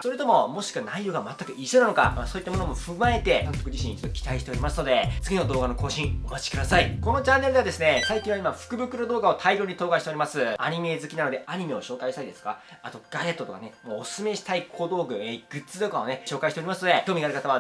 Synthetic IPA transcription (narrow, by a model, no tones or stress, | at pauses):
so̞ɾe̞t̪o̞mo̞mo̞ɕi̥kɯ̟βanaijoɡamat̪ːakɯ̟ʔiɕonanoka̰masoːit̪ːamo̞no̞mo̞ɸɯ̟mae̞t̪e̞kãnt̪okɯ̟d͡ʑiɕiɲːit͡ɕo̥t̪ːokʲi̥t̪aiɕit̪e̞oɾʲimasɨno̞d̪e̞t͡sɨɡʲino̞d̪o̞ːɡano̞ko̞ːɕĩɰomat͡ɕi̥kɯd̪asaiko̞no̞t͡ɕãnːe̞ɾɯd̪ead̪e̞sɨne̞saikʲĩɰβaimaɸɯ̟̥kɯ̟bɯ̟kɯ̟ɾod̪o̞ːɡao̞t̪ʰaiɾʲoɲ̟it̪o̞ːkaɕi̥t̪e̞o̞ɾimasɨa̰ɲ̟ime̞zɨkʲinano̞d̪e̞ʔaɲ̟ime̞o̞ɕo̞ːkaiɕt̪aid̪e̞sɨ̥ka | at̪o̞ɡ̥aɾe̞t̪ːo̞t̪okane̞moːssɨme̞ɕi̥t̪aikʰod̪o̞ːɡɯ̟eɡ̥ɯ̟t͡sɨt̪okao̞ne̞ɕo̞ːkaiɕt̪e̞ɾʲimasɨno̞d̪e̞kʲoːmiɡaɾɯkat̪aβa